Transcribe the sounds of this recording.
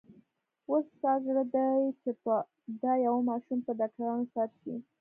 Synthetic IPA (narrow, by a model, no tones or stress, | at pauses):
wosːɑɡɽad̪ajt͡ʃepə | d̪ajawamɑʃumpəd̪ɑk̚taɾɑnosaɾʃḭ